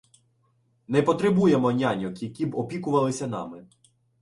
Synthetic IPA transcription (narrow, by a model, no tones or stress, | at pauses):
nɛpɔt̪ɾebujɛmɔnʲanʲɔkjɐkʲibɔpʲikʊʋɐlˠɪsʲɐnɑ̰mɪ